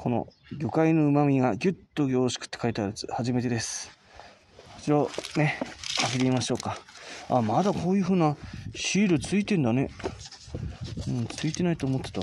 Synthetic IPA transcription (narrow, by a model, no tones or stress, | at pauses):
kʰo̞no̞̰ | ɡʲo̞kaino̞ɯ̟mamʲiɡaɡʲɯt̪ːo̞ɡʲo̞ːɕi̥kɯ̟̥t̪ːekait̪aɾet͡sɨ̥̰haʑime̞t̪e̞d̪e̞sɨ̥ | ko̥t͡ɕiɾone̞kakit̪eimaɕo̞ːkaa̰mad̪akʰo̞ːjɯ̟ɸɯ̟ːnaɕiːɾɯ̟t͡sɨit̪ẽ̞nd̪ane̞ | ɯ̃ɴt͡sɨit̪e̞nait̪oːmot̪ːet̪a